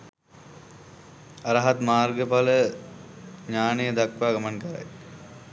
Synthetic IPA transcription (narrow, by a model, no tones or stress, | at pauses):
aɾaɦat̪maːrɡəpalə | ɲaːnejəd̪akʋaːɡamankəɾa̰j